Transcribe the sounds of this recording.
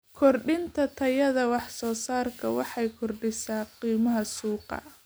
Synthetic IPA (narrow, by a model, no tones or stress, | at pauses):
kʰɔrɖɪnt̪ʰɐt̪ʰɐjɐðɐwɑħsɔːsaːrkʰɐwɑħɑjkʰɔrɖɪsaːqiːmɐɦɐsuːqɑ̰